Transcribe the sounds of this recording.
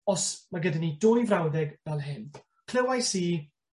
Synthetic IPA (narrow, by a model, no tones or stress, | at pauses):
ɔsmaɡədanidʊjvrawdɛɡvɛlˠɦɪn | kʰl̥ɪwajsiː